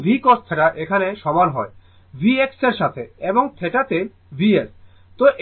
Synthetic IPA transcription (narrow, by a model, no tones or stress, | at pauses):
bʱikost̪ʰeʈaʔekʰaneʃɔmanɦɔe | bʱiekseɾʃat̪ʰeeboŋt̪ʰeʈat̪e | bʱies | t̪oʔ